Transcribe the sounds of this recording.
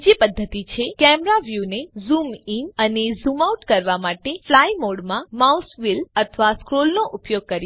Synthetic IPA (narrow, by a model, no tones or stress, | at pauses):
d͡ʒepəd̪ʱːət̪it͡ʃʰekɛmɾaʋjunezuminənezumauʈkəɾʋamaʈeflajmoɽmãmausʋilət̪ʰʋaskɾolnoʔupjoɡ̚kəɾjo